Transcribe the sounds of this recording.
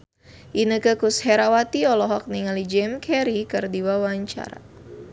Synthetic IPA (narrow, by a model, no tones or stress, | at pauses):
ʔinəkəkushɛɾawat̪iɔlɔɦɔk̚niŋalid͡ʒɛmkʰɛɾikɨrdiwawaɲt͡ʃa̰ɾa̰